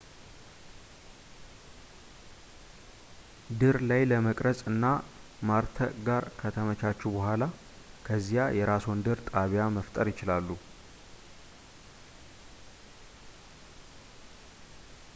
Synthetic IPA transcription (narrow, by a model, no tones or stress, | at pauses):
d̪ɨɾlajləməkʼɾəsʼɨnːa | maɾt̪ʰəɡaɾkʰət̪ʰəmət͡ʃat͡ʃːɛwbəɦʷala | kʰəzːijajɛɾasond̪ɨɾt̪ʼaβjaməft̪ʼəɾjɪt͡ʃɪlalːu